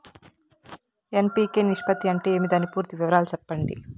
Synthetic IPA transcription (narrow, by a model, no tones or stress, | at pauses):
empiːkeːniʂpɐt̪ːiɐɳʈe̞ːeːmid̪aːnipuːɾt̪iʋiʋɐɾaːlut͡ʃɛpːɐɳɖḭ